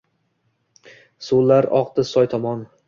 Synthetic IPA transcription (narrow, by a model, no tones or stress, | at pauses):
sulːaɾɒqd̪ɪsɒjt̪ʰɒmɒn